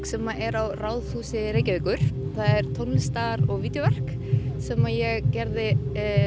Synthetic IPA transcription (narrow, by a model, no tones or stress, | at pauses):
sɛmaʔɛɾawraːwðθuːsɪɾeːjcɪvɪːkʏɾ̥θaðɛɾ̥t̪ʰownlɪst̪aɾɔɣviːt̪jɔvɛr̥k | sɛmajɛɣcɛɾðɪ